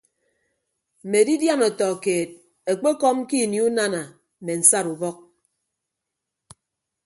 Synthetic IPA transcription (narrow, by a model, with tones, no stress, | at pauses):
m̩˨me˨di˦dja˦nɔ˨tɔ˨keː˨t̚ | e˨k͡pe˦kɔ˦m˦ki˦˨ni˦u˦na˦na˨ | me˨n̩˨sa˦ɾu˨bɔ˦k̚